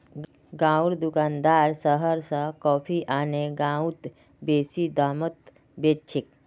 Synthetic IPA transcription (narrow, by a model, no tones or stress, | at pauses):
ɡãːʊɾd̪ʊkaːnd̪aːɾsəɦəɾsə̃kɔːpʰiʔaːneɡãːʊt̪ | beːsid̪aːmət̪ | beːt͡ʃʰɪk